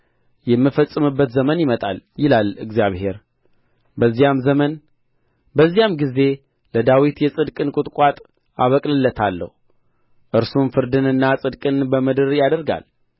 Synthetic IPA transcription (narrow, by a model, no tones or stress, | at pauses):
jɛmːɨfəsʼɨmɨbːət̪zəmənjɪmət̪ʼa̰ljɪlalɨ̰ɡzijaβhe̞ɾ | bəzːijamzəmən | bəzːijamɡize̞ | ləd̪awit̪jɛsʼɨd̪kʼɨnkʼʊt̪ʼkʼat̪ʼ | aβəkʼlɨlːət̪ʰalːə̰hu | ʔɨɾsumfɨɾd̪ɨnɨnːasʼɨd̪kʼɨnbəmɨd̪ɨɾjad̪əɾɡa̰l